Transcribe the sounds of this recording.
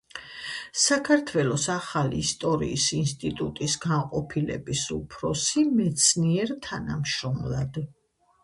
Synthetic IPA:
sakʰaɾt̪ʰwɛlˠɔsaχalḭːst̪ʼɔɾḭːsinst̪ʼit̪ʼut̪ʼisɡanqʼɔpʰilɛ̰bisupʰɾɔsimɛt̪sʰniɛɾt̪ʰanamʃɾɔmlˠad̪

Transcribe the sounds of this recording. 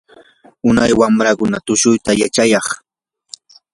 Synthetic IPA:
ʊnajwamɾakʊnat̪ʊʃʊjt̪ajat͡ʃajɑχ

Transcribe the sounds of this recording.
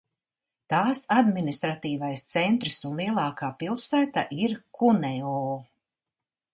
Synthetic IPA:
t̪aːsad̪minist̪ɾat̪iːvajst̪sɛnt̪ɾisunlˠiɛlˠɑːkaːpilˠsæːt̪a̰ʔiɾkʰunɛɔː

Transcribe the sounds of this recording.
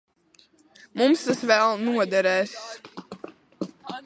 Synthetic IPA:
mumst̪asvælˠnuɔd̪ɛɾɛːs

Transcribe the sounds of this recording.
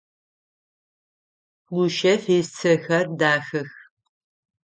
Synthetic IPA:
luʃɐfeːst͡sʰɨxɐrdaːxɨx

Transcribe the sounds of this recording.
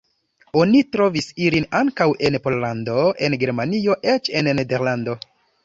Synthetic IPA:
o̞nitɾo̞visilinaŋkawʔe̞npo̞llando̞e̞nɡe̞ɾmanio̞ʔet͡ʃe̞nnede̞ɾlando̞

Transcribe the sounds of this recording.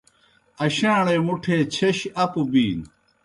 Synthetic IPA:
ɐɕãːɽeːmuʈʰeːt͡ɕʰeɕɐpubiːn

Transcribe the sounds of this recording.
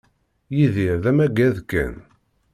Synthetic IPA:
jiðiɾðæmæɡæðkːæ̰n

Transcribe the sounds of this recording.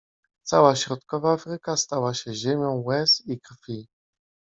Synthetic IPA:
t̪sawaɕɾɔt̪kɔvaafɾɘkast̪awaɕɛʑemʲjɔ̃w̃wɛst̪ikɾfʲi

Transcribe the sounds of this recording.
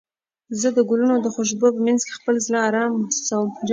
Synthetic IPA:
zəd̪əɡʊlunod̪əxoʃ̬bopəmanzke̥xpəlzlɑːɾɑmssawəmd͡ʒ

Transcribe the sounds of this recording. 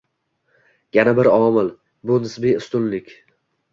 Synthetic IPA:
janabɪɾɒmɪl | bʊnɪsbiʊst̪ʊnlɪkʲ

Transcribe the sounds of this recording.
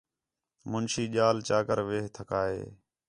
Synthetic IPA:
mʊnʃiːʄaːlt͡ʃaːkəɾʋeːɦt̪ʰəkaːɦḛː

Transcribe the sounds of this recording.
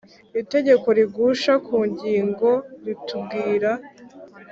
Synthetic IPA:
ite̞ɟe̞ko̞ɾiɡuʃakuːɲɟiːŋɡo̞ɾitub̚ɡiːɾa

